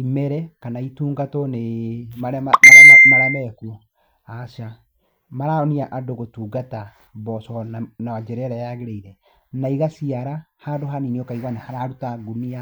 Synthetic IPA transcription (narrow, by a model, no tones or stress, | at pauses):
imɛɾɛkanaituːŋɡatɔnemaɾamaɾaamaɾamɛku | aʃa | maɾaɔniaʔadoɣotuːɡata | bɔsɔnawad͡ʒɛɾɛɾajaɣeɾɛiɾɛ | naiɣasiaɾahadoɦaniniɔkaiɣwanahaɾaɾutaɡunia